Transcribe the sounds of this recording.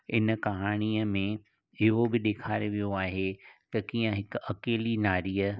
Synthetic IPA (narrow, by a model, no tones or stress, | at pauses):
ɪnkɐɦaːɽ̃iːəmẽ | ɪɦobɪɗ̪eːkʰaːɾeʋijoaːɦet̪ɐkiːə̃ɦɪkɐkeːlinaːɾiːə